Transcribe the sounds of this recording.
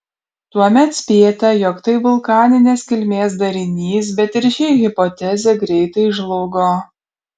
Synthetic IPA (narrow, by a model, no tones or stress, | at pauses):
t̪uɔmʲɛt̪sʲpʲeːt̪ʲɛjɔkt̪ɐɪʋʊlˠkɑːnʲɪnʲeːskʲɪlʲmʲeːs̬d̪ɐɾʲɪnʲiːs̬bʲɛt̪ɪɾʲʃʲɪɣʲɪpɔt̪ʲɛzʲɛɡɾʲɛɪt̪ɐɪʒlˠɔʊɡoː